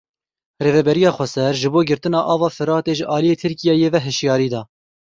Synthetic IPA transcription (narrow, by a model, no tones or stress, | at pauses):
reːvɛbɛɾijɑːxʷɛsɛɾʒɨboːɡɪɾt̪ɨnɑːʔɑːvɑːfɨɾɑːt̪eːʒəʔɑːlijeːt̪ʰɨɾkijɛjeːvɛɦɨʃjɑːɾiːd̪ɑː